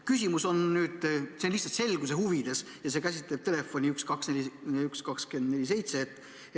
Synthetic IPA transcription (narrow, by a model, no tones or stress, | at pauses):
kysʲimuso̞nnyːd̪̥senlihtsɑt̪se̞lɡ̥us̬e̞ɦhuvid̪̥e̞s | jɑsekæsʲit̪ˑle̞b̥̚t̪e̞le̞fːo̞nʲiykskɑksnelʲiykskɑkske̞nd̪ne̞lʲise̞jt̪se̞t̪ːˑ